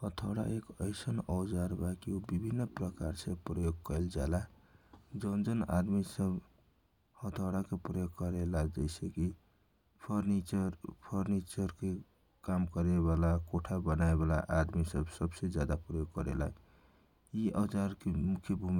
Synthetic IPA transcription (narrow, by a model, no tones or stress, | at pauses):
hət̪ʰaɽa̰ekəɪsənəʊd͡ʒaɾbakiobibʱinːpɾəkaɾsepɾəjoɡ̚kəɪld͡ʒala | d͡ʒʌnd͡ʒəna̰d̪misəb | hət̪ʰaɽakepɾəjoɡkəɾelad͡ʒəɪseki | pʰəɾnit͡ʃəɾpʰəɾnit͡ʃəɾke | kamkəɾeβalakoʈʰabənaebala̰ʔad̪misəbsəbsed͡ʒjad̪apɾəjoɡ̚kəɾḛla̰ | iʔɔd͡ʒaɾkemukʰjəbʱumi